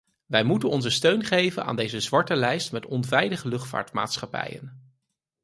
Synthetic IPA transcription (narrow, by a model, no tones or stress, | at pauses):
ʋɛjmutənɔnzəstøɥnχejvənʔa̰ːndejzəzʋɑɹtəlɛjstmɛtɔnvɛjdəχəlɵχtfa̰ːɹtma̰ːtsχɑpɛ̰jə̰n